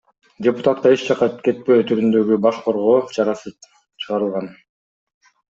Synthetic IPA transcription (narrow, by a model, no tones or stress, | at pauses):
dʲepʊ̥t̪at̪̚qɑe̞t͡ʃd͡ʒɑqɑke̞t̪̚peːt̪ʰyɾynd̪ø̞ɡybɑʃqʰo̞ɾʁo̞ːt͡ʃʰɑɾɑsɯ | t͡ʃʰɯʁɑɾɯlˠʁɑn